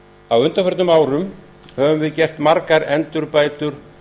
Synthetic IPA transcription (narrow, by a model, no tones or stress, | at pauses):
awʏnt̪afɛɾt̪nʏmaːwɾʏm | hɛːvʏmvɪðcɛr̥t̪maɾkaɾɛnt̪ʏɾpaːjt̪ʏɾ̥